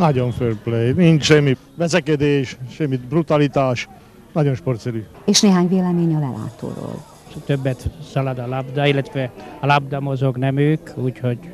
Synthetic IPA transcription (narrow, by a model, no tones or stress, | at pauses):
nɒɟoɱførplejmint̪ʃɛmːi | ʋɛzɛkɛd̪eːʃʃɛmːibrut̪ɑlit̪aːʃ | nɒɟonʃport̪sɛɾy | eːʃneːɦaːɲveːlɛmeːɲɒlɛ̰lʔa̰ːt̪o̰ːɾo̰ːl | t̪øbːɛt̪sɒlɒd̪ɒlɒbd̪ɑilːɛt̪ʋɛɒlɒb̚d̪ɒmozoɡnɛmøːkuːcho̞ɟ